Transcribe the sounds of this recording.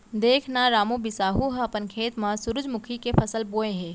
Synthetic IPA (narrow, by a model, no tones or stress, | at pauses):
d̪eːkʰnaɾaːmõbɪsaːɦuɦãɐpənkʰeːt̪mãsʊɾʊd͡ʒmʊkʰikepʰɐsəlboːẽɦɛ̃ː